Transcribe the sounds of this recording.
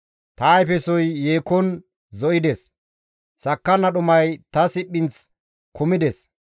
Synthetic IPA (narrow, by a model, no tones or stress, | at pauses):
t̪aːjfɛsɔjːeːkːɔn | zɔʔɪd̪ɛs | sɐkːɐnɐɗʊmɐjt̪ɐsɪpːɪnt͡s | kʰʊmɪd̪ɛs